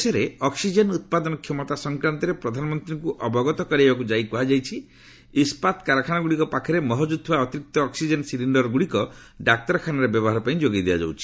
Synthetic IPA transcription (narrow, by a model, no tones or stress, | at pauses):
sɔɾeɔksid͡ʒenut̪̚pad̪ɔnɔkʰjɔmɔt̪asɔŋkɾant̪ɔɾepɾɔd̪ʱanɔmɔnt̪ɾiŋkuʔɔbɔɡɔt̪ɔkɔɾiebak̬ud͡ʒajkuɦad͡ʒajt͡ʃʰi | ispat̪kaɾakʰanaɡuɽikɔpakʰɔɾemɔɦɔd͡ʒud̪̚t̪ʰuaɔt̪iɾik̚t̪ɔːksid͡ʒensiliɳɖɔɾɔɡuɽikɔ | ɖak̚tɔɾɔkʰanaɾebjɔbɔɦaɾɔpãĩd͡ʒoɡid̪ead͡ʒa̰wt͡ʃʰi̥